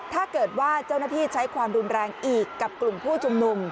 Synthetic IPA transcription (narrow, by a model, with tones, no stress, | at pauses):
t̪ʰaː˥˩kɤː˨˩t̪̚waː˥˩t͡ɕa˥˩wnaː˥˩t̪ʰiː˥˩t͡ɕʰa˦˥jkʰwaː˧mɾu˧nɾɛː˧ŋʔiː˨˩kːa˨˩p̚klu˨˩mpʰuː˥˩t͡ɕʰu˧mnu˧m